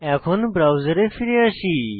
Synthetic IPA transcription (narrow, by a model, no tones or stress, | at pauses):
ɛkʰonbɾawzəɾefʰiɾiəsi